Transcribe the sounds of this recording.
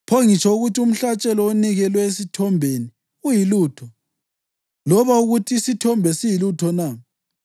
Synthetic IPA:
pʰɔŋit͡ʃʰʼɔuɣutium̩ɬat͡ʃʼɛlɔoniɣɛlwɛesitʰɔmbʱeni | ujiluːtʰɔ | lɔβauɣutʰiːsitʰɔmbʱɛsijilutʰɔna

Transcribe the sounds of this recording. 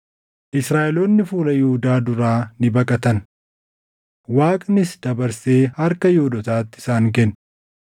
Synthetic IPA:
ʔɪsɾaːʔɛloːnːɪfuːlɐjɪhʊd̪aːd̪ʊɾaːnɪbɐkʼɐt̪ɐn | waːkʼnɪsd̪̥ɐbɐɾse̞ːhɐɾkɐjoːd̪ɔt̪aːt̪ːɪ̥saːŋkɛnː

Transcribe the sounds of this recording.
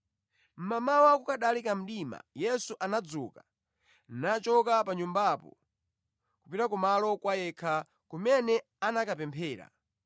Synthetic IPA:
m̩mamawakukaɗalikam̩ɗima̰jɛsuʔanad͡zuka | nat͡ʃɔkapaɲumbapɔ̰ | kupiɾakumalɔkwajɛkʰa | kumɛnɛ | anakapɛmpʰɛːɾa̰

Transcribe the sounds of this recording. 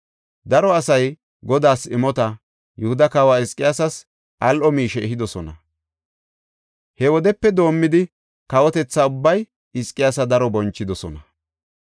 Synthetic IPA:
d̪ɐɾɔɐsɐj | ɡɔd̪aːsɪmɔt̪ɐ | jʊhʊd̪ɐkaːwaːɪskʼːɪjaːsɐs | ʔɐlʔɔmiːʃɛɛɦɪd̪ɔsɔnɐ̰ | hɛwɔd̪ɛpːɛd̪o̞ːmːɪd̪ɪ | kɐwɔt̪ɛt͡sːaʊbːɐj | ɪskʼɪjaːsɐd̪ɐɾɔbɔnt͡ʃːɪd̪ɔsɔ̰nɐ

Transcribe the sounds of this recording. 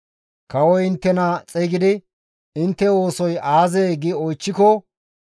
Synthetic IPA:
kɐwɔjɪnt̪ːɛnɐt͡sʼɛjɡɪd̪ɪ | ɪnt̪ːɛoːsɔjaːzeːɡɪɔjt͡ʃːɪkɔ

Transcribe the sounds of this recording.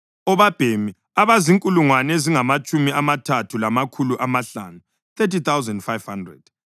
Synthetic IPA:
ɔβab̥ʱemi | aβaziŋkʼuluŋwanɛziŋamat͡ʃʼumiamatʰatʰulamakʰuluʔamaɬa̰nu | θetit̪awzaɛndfajv̥handrɛ̰d̥

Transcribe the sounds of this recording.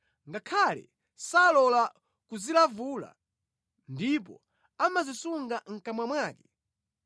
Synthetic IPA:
ŋɡakʰalɛ̰ | salɔla | kuzilavula̰ | ndip̬ɔ̰ | amazisuŋɡaŋ̩kamwamwaːkɛ̥

